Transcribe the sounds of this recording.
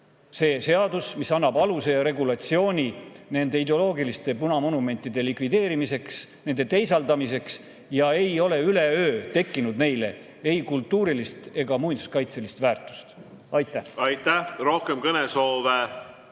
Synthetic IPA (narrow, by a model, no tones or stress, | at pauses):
se̞ːse̞ɑd̪usmisɑnːɑbɑluse̞jɑɾe̞ɡulɑt̪sio̞ːnʲine̞nd̪e̞id̪eo̞lo̞ːɡilist̪e̞punɑmo̞nume̞nʲt̪ːˑid̪̥e̞likvid̪e̞ːɾimise̞ksne̞nd̪̥e̞t̪e̞jsɑld̪ɑmise̞ks | jɑe̞jo̞le̞yle̞øːt̪e̞kːinud̪ne̞jle̞̰ | e̞jkult̪ːˑuːɾilist̪e̞ɡ̥ɑmujnd̪u̥skɑjt̪se̞list̪væːrt̪ːˑu̥st̪ | ɑjt̪ːˑæhɑjt̪ːæhro̞hkemkɤneso̞ːve